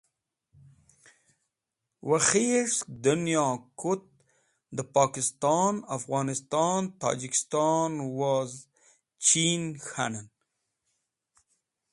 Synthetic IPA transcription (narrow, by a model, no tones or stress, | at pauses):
waxeʂkd̪unjɑkʊt̪̚ | d̪əpɑkɪst̪ɑnafɣɑːnɪst̪ɑnt̪ɑ̰d͡ʒikɪ̥st̪ɑnwaz | t͡ʃinxa̰nən